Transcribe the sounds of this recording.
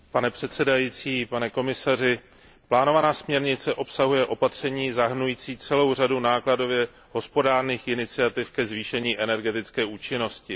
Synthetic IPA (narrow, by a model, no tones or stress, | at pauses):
panɛpr̥ɛt̪sɛdajiːt͡siːpanɛko̞mɪsar̝ɪ | plaːno̞vanaːsmɲɛɾɲɪt͡sɛʔo̞psaɦujɛʔo̞pat̪r̝̥ɛɲiːzaɦɾnujiːt͡siːt͡sɛlo̞wradunaːklado̞vjɛ | ɦo̞spo̞daːrniːxʔɪnɪt͡sɪat̪ɪfkɛzviːʃɛɲiːʔɛnɛɾɡɛt̪ɪt͡skɛːʔuːt͡ʃɪno̞scɪ